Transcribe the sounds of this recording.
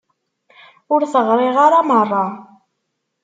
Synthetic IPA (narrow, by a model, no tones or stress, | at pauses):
ʊɾθəʁɾˤɪʁaɾamərˤːɑ